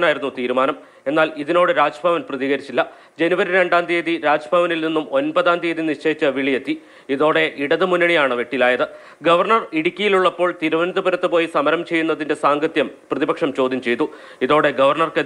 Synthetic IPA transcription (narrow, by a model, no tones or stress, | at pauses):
naːjiɾunːut̪iːɾumaːnɐm | e̞nːaːliðino̞ːɽɨɾaːd͡ʑɐbʱɐʋɐnprɐðiːɣɐɾit͡ɕːilːɐ | d͡ʑe̞nuʋɐɾiɾe̞ɳɖaːnd̪ʱeːðiɾaːd͡ʑɐbʱɐʋɐnilninːumo̞nbɐðaːnd̪ieðiniʂt͡ɕe̞ːit͡ɕːɨʋiɭijet̪ːi | iðo̞ːɽe̞ʔiɽɐðɨmunːɐɳijaːɳɨʋeʈːilaːjɐðɨ | ɡɐʋɐrɳɐriɽikʲːijiluɭːɐpːo̞ːɭt̪iɾuʋɐnɐt̪ːɨbɐɾɐt̪ːɨpo̞ːjisɐmɐɾɐmt͡ɕe̞jːunːɐðinde̞saːŋɡɐt̪jɐmprɐðibɐkʂɐmt͡ɕo̞ːd̪ʱjɐmt͡ɕe̞jt̪ːu | iðo̞ːɽe̞ɡɐʋɐrɳɐrkɐ